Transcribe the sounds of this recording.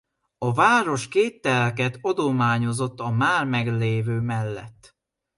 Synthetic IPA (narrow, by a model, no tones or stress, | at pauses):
ɒvaːɾo̞ʃkeːt̪ːɛlkɛt̪ɒd̪omaːɲo̞zo̞t̪ːɒmaːrmɛɡleːvøːmɛlːɛ̰t̪ː